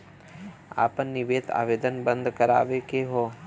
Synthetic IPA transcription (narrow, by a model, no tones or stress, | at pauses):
a̰ːpənːɪʋeːd̪a̰ːʋeːd̪ənbə̃nd̪ʱkəɾa̰ːʋekeɦoː